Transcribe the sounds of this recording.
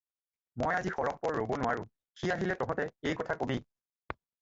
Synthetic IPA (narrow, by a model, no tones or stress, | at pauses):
mɔjazixɔɹɔk̚pɔɹːobonʊwaɹʊ̃ | xiaɦilɛtɔɦɔ̃tɛejkɔtʰakobi